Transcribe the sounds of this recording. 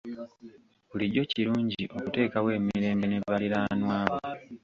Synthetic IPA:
βuliɟo̞ciɾuːɲɟiʔo̞kute̞ːkawe̞ːmiɾe̞ːmbe̞ne̞βaliɾanwaːβo

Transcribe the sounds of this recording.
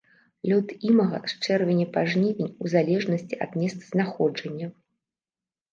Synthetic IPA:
lʲɔt̪imɐɣɐ̰st͡ʂɛrvʲɛnʲɛpaʐnʲivʲinʲuzalʲɛʐnɐsʲt͡sʲiʔɐ̰d̪nʲɛst̪z̥naxɔd͡ʐɐnʲːɐ

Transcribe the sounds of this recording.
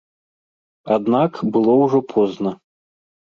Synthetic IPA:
ad̪nakbɨlˠɔwʐɔpʰɔznɐ

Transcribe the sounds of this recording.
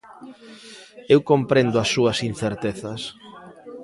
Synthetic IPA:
ewkompɾend̪ʊɐsːuɐsin̟θeɾt̪eθɐs

